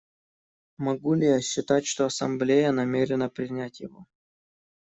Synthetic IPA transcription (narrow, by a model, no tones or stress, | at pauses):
mɐɡulʲɪjaɕːɪt̪atʲʂt̪oɐsɐmblʲejənɐmʲeɾʲɪnəpɾʲɪnʲætʲjɪvo